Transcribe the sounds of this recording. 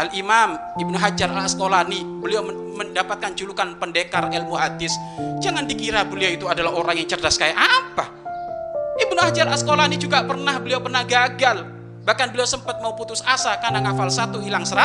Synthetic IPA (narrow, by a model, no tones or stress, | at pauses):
ʔalʔimam | ibnuɦad͡ʒaɾalsə̥kolanibəliaw | məndapat̪̚kant͡ʃulukanpəndekarɛlmuad̪ɪsd͡ʒaŋandikiɾabəliawit̪uadalaɦoɾaŋjaŋt͡ʃərdaskajaʔapa | ʔibnuhad͡ʒaɾalsəkolanid͡ʒuɡapərnahbəliawpərnahɡaɡal | bahkanbəliawsəmpət̪̚mauput̪ʊsasakanaŋafalsat̪uilaŋsəɾa